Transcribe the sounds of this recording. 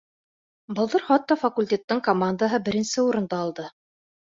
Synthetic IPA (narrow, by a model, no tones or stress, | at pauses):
bɤ̆lˠd̪ɤɾχɑt̪ːɑfɐkulʲtʲet̪ːɤŋkomand̪əɦɤbɘ̆ɾɘ̆nsɘuɾɤ̆nd̪ɑːlˠd̪ɤ